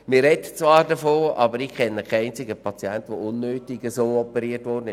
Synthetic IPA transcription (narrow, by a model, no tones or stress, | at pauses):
mɪːrːɛdət͡svɑːɾdəfoːɑbəɾikʰɛnːəkʰɛɪnt͡sɪɡəpʰɑt͡sjɛntʋoʊnːøːtɪɡəzoːɔpəɾiːətʋɔːrdənɪʃ